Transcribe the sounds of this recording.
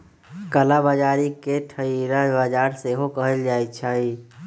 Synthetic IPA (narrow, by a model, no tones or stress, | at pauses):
kəlabad͡ʒaɾikeʈʰəiɾabad͡ʒaɾseɦokəɦəld͡ʒajt͡ʃʰai